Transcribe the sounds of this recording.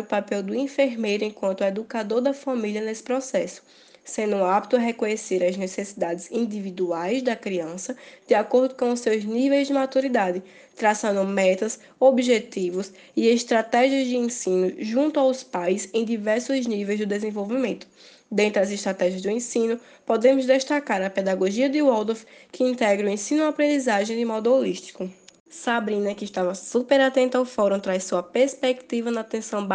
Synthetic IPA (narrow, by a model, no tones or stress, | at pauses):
ʊpapɛwd̪ʊĩfeɾmejɾʊẽkwɐ̃nt̪ed̪ukad̪oɾd̪ɐfamiliɐnesɪ̥pɾɔsɛsʊ̥ | sẽnd̪ʊũab̚t̪ʊɐɦekõɲeseɾɐznesesid̪ad̪ɪzĩd̪ivid̪uajzd̪ɐkɾiɐ̃sɐd̪̥ɪakoɾd̪ʊkõʊsewznivejzd͡ʒɪmat̪uɾid̪ad̪ɪ | t̪ɾasɐ̃nd̪ʊ̃mɛt̪ɐs | obiʒet̪ivʊs | ieʃt̪ɾat̪ɛʒiɐzd͡ʒ̪ɪẽsĩnʊʒũnt̪ʊawspajsẽj̃d̪ivɛɾsʊznivejzd̪ɪd̪ezẽvowvimẽnt̪ʊ̥ | d̪ẽnt̪ɾɪɐzɪʃt̪ɾat̪ɛʒiɐzd̪ʊẽsĩnʊ | pod̪ẽmʊzd̪eʃt̪akaɾɐped̪aɡoʒiɐd̪ɪwɔd̪ofkʰɪĩnt̪ɛɡɾuẽsĩnʊapɾẽd̪izaʒẽj̃d̪ɪmɔd̪ʊoliʃt̪i̥kʊ | sabɾĩnɐkɪʃt̪avɐsupeɾat̪ẽnt̪awfɔɾũt̪ɾajsuɐpeɾspekt̪ivɐnɐt̪ẽsɐ̃w̃b